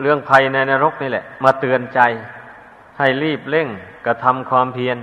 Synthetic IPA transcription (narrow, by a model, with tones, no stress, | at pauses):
lɯ˥˩əŋpʰa˧jna˧naː˧ɾo˦˥k̚niː˧˥˩lɛ̰˨˩ʔmaː˧t̪ɯ˧ənt͡ɕa˧j | ha˥˩jliː˥˩p̚le˥˩ŋka˧˩t̪ʰa˧mkʰwaː˧mpʰi˧ən